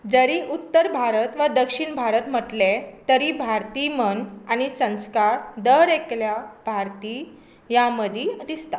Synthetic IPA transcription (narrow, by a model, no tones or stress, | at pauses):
d͡zəɾiʔut̪ːəɾbʱaɾət̪ʋəd̪əkʂiɳbʱaɾət̪m̤əʈlet̪əɾiːbʱaɾt̪iːmənañisə̃w̃skaɾd̪əɾekljabʱaɾt̪iː | jaməd̪ʱid̪ist̪a